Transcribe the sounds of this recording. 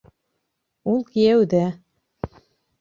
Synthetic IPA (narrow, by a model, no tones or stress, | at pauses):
ulˠkijæwðæ